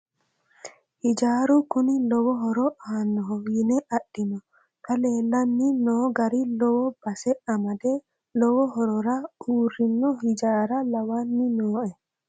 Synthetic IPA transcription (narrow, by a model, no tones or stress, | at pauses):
hɪd͡ʒaːɾʊkʊnɪlɔwɔɦɔɾɔʔaːnːɔɦɔjɪnɛʔɐɗɪnɔ | kɐle̞ːlːɐnːɪnoːɡɐɾɪlɔwɔb̥ɐsɛɐmɐd̪ɛ | lɔwɔɦɔɾɔɾɐuːrːɪnːɔhɪd͡ʒaːɾɐlɐwanːɪnoːʔɛ